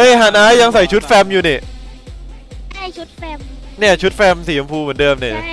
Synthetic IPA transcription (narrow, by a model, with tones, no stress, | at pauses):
ʔɤː˧˥˩jɦaː˨˩˦nʔaː˦˥ja˧ŋsa˨˩˦jt͡ɕʰu˦˥t̪̚fɛː˧mjuː˨˩ni˧˩ | u˦˥t̪̚fɛ˧ni˥˩t͡ɕʰu˦˥t̪̚fɛː˧msiː˨˩˦na˧mpʰuː˧mɨ˨˩˦ndɤː˧mni˧˩